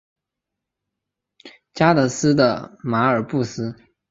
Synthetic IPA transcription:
t͡ɕja˥t̪ɤ˧˥sɹ̩˥d̪ə̰˨ma˧˥ə˞˨˩˦pu˥˩sɹ̩˥

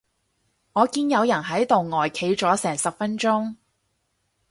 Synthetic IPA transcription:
ŋɔː˨˧kiː˥njɐ˨˧wjɐ˨˩nɦɐ˨˥jt̪o˨wŋɔː˨jkʰe˨˥jt͡ʃɔː˨˥sɛː˨˩ŋsɐ˨p̚fɐ˥nt͡ʃʊ˥ŋ

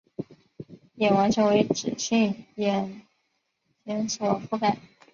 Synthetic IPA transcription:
jɛ˨˩wa˧˥nʈ͡ʂʰə˧˥ŋwe˧˥ɪʈ͡ʂɻ̩˨˩ɕi˥˩ŋjɛ˨˩n | t͡ɕjɛ˧˥nswɔ˨˩fu˥˩ka˨˩˦

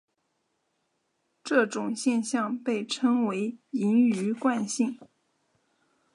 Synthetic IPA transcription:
ʈ͡ʂɤ˥˩ʈ͡ʂʊ˨˩ŋɕjɛ˥˧nɕjɑ˥˧ŋpe˥˩ɪʈ͡ʂʰɤ˥ŋwe˧˥ɪi˧˥ny˧˥kwa˥˧nɕi˥˩ŋ

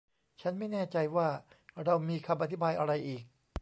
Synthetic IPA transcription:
t͡ɕʰa˦˥nma˥˩jnɛː˥˩t͡ɕa˧jwaː˥˩ɾa˧wmiː˧kʰa˧mʔa˧t̪ʰi˦˥baː˧jʔa˧ɾa˧jʔiː˨˩k̚

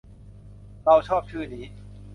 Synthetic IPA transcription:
ɾa˧wt͡ɕʰɔː˥˩p̚t͡ɕʰɯː˥˩niː˦˥

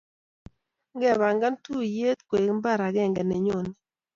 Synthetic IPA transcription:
ŋɡɛ˦˨βa˨ŋɡa˦ntu˦je˦t̪̚kwe˨kmba˦˨ɾa˨ɡɛ˦˨ŋɡɛ˨nɛ˨ɲo˦˨ni˦˨

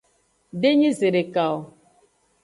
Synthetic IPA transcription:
de˦ɲĩ˦ze˨ɾe˨ka˨ɔ˨

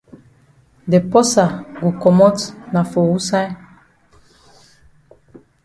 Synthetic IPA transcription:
dɛ˨pɔ˦sa˨ɡu˨kɔ˨mɔ˦tna˨fo˨wu˦sa˦

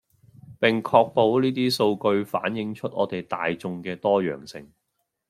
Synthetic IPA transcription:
pɪ˨ŋkʰɔː˧k̚po˨˧wniː˥t̪iː˥so˧wkɵ˧ɥfa̰ː˨˥njɪ˨˧˥ŋt͡ʃʰɵ˥t̚ʔɔː˨˧t̪e˨˩jt̪aː˨jt͡sʊ˧ŋkɛː˧t̪ɔː˥jœ̰ː˨˩ŋsɪ̰˨˩ŋ

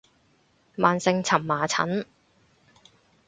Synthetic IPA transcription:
maː˨nsɪ˧ŋt͡sʰɐ˨˩mːaː˨˩t͡sʰɐ̰˨˥n

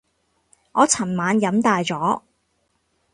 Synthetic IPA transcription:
ŋɔː˨˧t͡sʰɐ˨˩nmaː˨˧njɐ˨˥mt̪aː˨jt͡sɔː˨˥

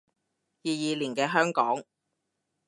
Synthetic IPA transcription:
jiː˨˧jiː˨˧liː˨˩nkɛː˧ɦœː˥ŋkɔː˨˥ŋ

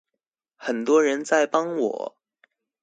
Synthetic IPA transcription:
xə˨˩nt̪wɔ˥ɻə˧˥nt͡sa˥˩ɪpɑ˥ŋwɔ̰˨˩˦

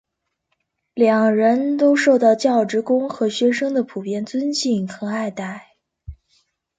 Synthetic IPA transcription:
ljɑ˨˩ŋɻə˧˥nt̪o˥ʊʂo˥˧ʊt̪ɑ˥˧ʊt͡ɕjɑ˥˩ʊʈ͡ʂɻ̩˧˥kʊ˥ŋxɤ˧˥ɕɥɛ˥ʂɤ˥ŋd̪ə˨pʰu˨˩pjɛ˥nt͡swə˥nɕi˥˩ŋkʰɤ˧˥ŋa˥˧ɪt̪a˥˩ɪ

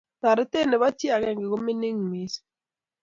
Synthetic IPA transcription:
ta˨ɾe˦te˦˨ne˨ba˦tje˦a˨kɛ˨ŋɡe˨ko˦me˦ni˦ŋmi˨˦s

